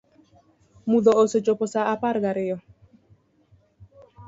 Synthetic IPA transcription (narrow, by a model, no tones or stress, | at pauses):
muðɔoset͡ʃopɔsaapaɾɡaɾɪjɔ